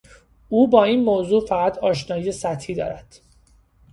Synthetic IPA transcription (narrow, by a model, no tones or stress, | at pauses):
uːbɒːiːnmoːzuːfæɣæt̪ʰɒːʃnɒːjiːjesæt̪ʰhiːd̪ɒ̰ːɾæd̪̥